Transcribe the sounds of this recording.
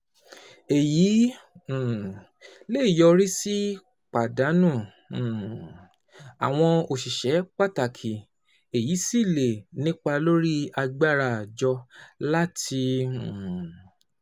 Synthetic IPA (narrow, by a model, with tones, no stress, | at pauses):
e˨jĩ˨˦˨ | le˦i˦˨jɔ˧ɾi˦si˦ | k͡pa˨da˨˦nũ˦˨ | a̰˨w̃ɔ̃˧o˨ʃi˨ʃɛ˨˦k͡pa˦˨ta˨kʰi˨ | e˨ji˨˦si˦˨le˨nĩ˦k͡pa˧lo˦ɾi˦a˧ɡ͡ba˦ɾa˨d͡ʒɔ˧la˦tʰi˧˨